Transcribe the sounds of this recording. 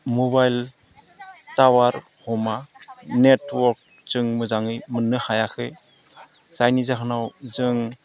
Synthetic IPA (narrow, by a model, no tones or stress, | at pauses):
mubajl | tawaɾ | hɔmanetwɔɾk̚ | t͡ʃɯŋmɯzaŋɯjmɯnːɯhajakʰɯj | sajnizaɦɯnawzɯŋ